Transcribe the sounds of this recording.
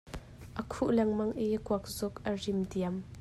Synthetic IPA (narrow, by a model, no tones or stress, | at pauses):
ʔəkʰuʔlɛŋmɐŋʔikuɐk̚zʊkʔərimdiam